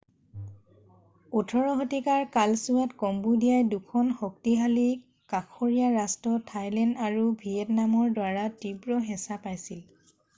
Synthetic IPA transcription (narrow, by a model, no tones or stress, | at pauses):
utʰɔɹɔɦɔtikaɹkalsuatkɔmbudijajdukʰɔnxɔk̚tiɦali | kakʰɔɹijaɹastɔtʰajlɛndaɹubʱiɛtnamɔɹdwaɹatibɹɔɦɛ̃sapajsil